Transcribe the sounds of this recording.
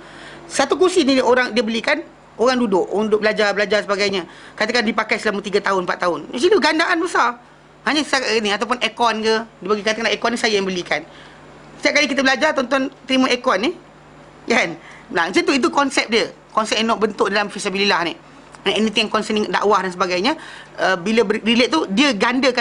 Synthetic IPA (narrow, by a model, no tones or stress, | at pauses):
sat̪ukusinĩʔoɾaŋdiəbəlikan | oɾaŋdudʊʔaŋndudʊʔ̚bəlad͡ʒarbəlad͡ʒarsəbaɡajɲakat̪akandipakajsəlamut̪iɡat̪aɦʊnmpa̰t̪ʔt̪aʊnɛ̰s̬iluɡandaʔanbəsar | haɲãt̪akanĩat̪awp̬ʊnʔɛkɔnkədibaɡikat̪akanaɛkɔnisajajaŋbəlikan | t̪ijaʔ̚kalikit̪əbəlad͡ʒart̪ɔnt̪ɔnt̪əɾimãʔɛkɔnːi | kanmlat͡ʃat̪̬uit̪̬ukɔnsɛp̚diə | kɔnsɛp̚janːɔ̃ʔbənt̪ʊʔdalamfisabililahniʔ | nɛnit̪ɪ̃ŋjaŋkɔnsəniŋʔda̰ʔwahdansəbaɡajɲəəbiləbərileʔ̪̚t̪udiəɡandəka